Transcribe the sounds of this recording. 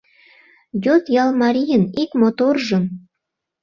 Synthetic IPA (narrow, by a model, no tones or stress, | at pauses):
jot̪jɑlˠmɑɾʲijənikmot̪orʒə̆m